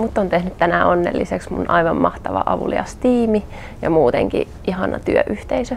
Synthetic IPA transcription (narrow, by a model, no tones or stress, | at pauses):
mut̪ːont̪ehnyt̪t̪ænæonːḛlːiseksmunʔɑiʋɑmmɑht̪ɑʋɑ̰ʔɑʋṵliɑst̪iːmi | jɑmuːt̪eŋkḭ | ʔihɑnɑ̰t̪yøʔyht̪eisø